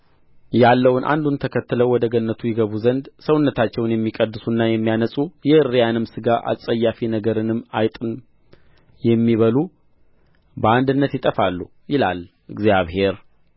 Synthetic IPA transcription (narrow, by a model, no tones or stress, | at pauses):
jalːəwʊnʔa̰nd̪unt̪ʰəkʰət̪ːɨləwɔd̪əɡənːət̪ʰujɛɡəβuzənd̪səwʊnːət̪ʰat͡ʃːɛwnjɛmːikʼəd̪ːɨsunːajɛmːijanəsʼujɛɨrːijanɨmsɨɡaʔa̰sʼəjːafinəɡəɾɨnɨmːajt̪ʼɨn | jɛmːiβəlu | bəand̪ɨnːət̪jɪt̪ʼəfalːu | jɪlal | ʔɨɡzjaβhe̞ɾ